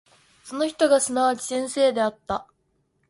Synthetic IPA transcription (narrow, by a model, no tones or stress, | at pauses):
so̞no̞çi̥t̪o̞ɡasɨnaβ̞at͡ɕi̥sẽ̞ɰ̃se̞ːd̪e̞at̪ːa